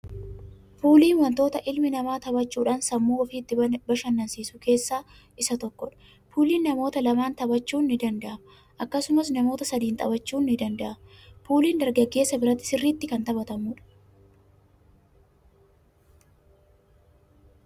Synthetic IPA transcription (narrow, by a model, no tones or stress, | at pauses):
fuːliːnwɐnt̪o̞ːt̪ɐʔɪlmɪnɐmaːt̪ɐbɐt͡ʃːuːᶑaːnsɐmːuːɔfiːt̪ːɪbɐʃɐnːɐnsiːsʊke̞ːsːaː | ʔɪsɐt̪ɔkːɔᶑɐ̥ | fuːliːnːɐmo̞ːt̪ɐlɐmaːnt̪ɐbɐt͡ʃːuːnːɪd̪ɐnd̪ɐʔɐm | ʔɐkːɐsʊmɐsnɐmo̞ːt̪ɐsɐd̪iːnt̪ʼɐ̰bɐt͡ʃːuːnːɪd̪ɐnd̪ɐʔɐmfuːliːnd̪ɐɾɡɐɡːe̞ːsːɐbɪɾɐt̪ːɪ̥sɪrːiːt̪ːɪkɐnt̪ɐbɐt̪ɐmuːᶑɐ̥